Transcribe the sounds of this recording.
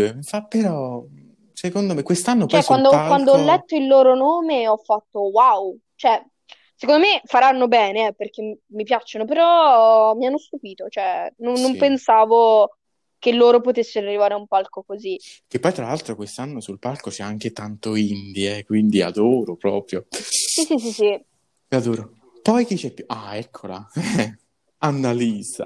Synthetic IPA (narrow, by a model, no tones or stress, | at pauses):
mfapːeɾɔ | sekond̪omekːwest̪anːokt͡ʃɛkːwand̪okkwand̪oɔlːɛt̪ːoilːoːɾonoːmeɔfːat̪ːowaw | t͡ʃoɛ | sekond̪omefaɾanːobɛːneɛperk̟e | mːipjat͡ʃonopeɾɔmianːost̪upiːt̪ot͡ʃoɛnonːompensaːvo | kelːoːɾopot̪esːeɾoarːivaːɾeaumpalkokozikːepːɔjt̪ɾalalt̪ɾokwest̪anːosulpalkot͡ʃɛaŋk̟et̪ant̪oind̪iɛkwind̪ia̰d̪oːɾopɾɔːpɾjosisis̬isi | iad̪oːɾo | pɔjk̟it͡ʃːɛpːuʔaɛkʰːola̰ɛ | anːaliːza̰